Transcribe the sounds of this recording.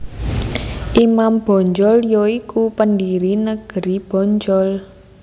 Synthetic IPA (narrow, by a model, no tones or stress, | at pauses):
ʔimamb̥ɔ̤ɲd͡ʒɔljɔikupəndiɾinəɡ̥ə̤ɾib̥ɔ̤ɲd͡ʒɔl